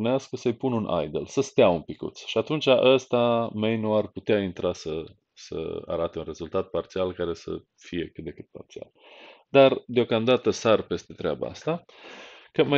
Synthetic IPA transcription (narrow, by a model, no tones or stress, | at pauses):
neaskəsəɨjpununʔa̰jd̪elsəst̪eaunpikṵt̪sʃiat̪unt͡ʃaʔəst̪ame̞jnuarput̪eaint̪ɾasə | sə̰a̰ɾat̪e̞unre̞zult̪at̪̚part̪sialkaɾe̞sə̰ | fije̞kɨt̪̚d̪e̞kɨt̪̚pa̰rt̪sia̰l | d̪ard̪eo̞kamd̪at̪əsarpe̞st̪e̞t̪ɾeaba̰a̰st̪a | kəma